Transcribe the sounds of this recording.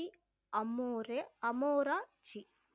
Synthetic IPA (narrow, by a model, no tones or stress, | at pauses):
i | ɐmoːɾeɐmoːɾat͡ʃi